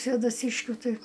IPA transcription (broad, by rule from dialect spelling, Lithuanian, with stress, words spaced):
sʲʋʲeːdɐˈsʲiːʃʲkʲʊ ˈtɐɪ